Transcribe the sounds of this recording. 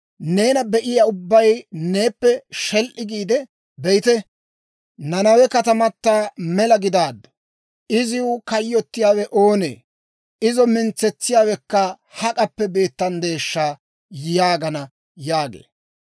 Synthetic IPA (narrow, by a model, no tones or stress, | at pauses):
ne̞ːnɐbɛʔɪjaːʊbːɐjne̞ːpːɛʃɛlʔɪɡiːd̪ɛ | bɛjɪt̪ɛ | nɐnɐwɛkɐt̪ɐmɐt̪ːaːmɛlɐɡɪd̪aːd̪ːɔ̥ | ɪzɪʊkɐjːɔt̪ːɪjaːwɛʔo̞ːnḛː | ɪzɔmɪnt͡sːɛt͡sːɪjaːwɛkːɐ | hɐkʼɐpːɛbe̞ːt̪ːɐnd̪e̞ːʃːaː | jaːɡɐnɐ | jaːɡḛː